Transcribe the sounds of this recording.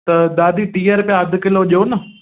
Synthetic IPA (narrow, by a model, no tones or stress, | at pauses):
t̪ɐd̪aːd̪iːʈiːəɾpɪjãɐd̪ʱkɪloʄoːnɐ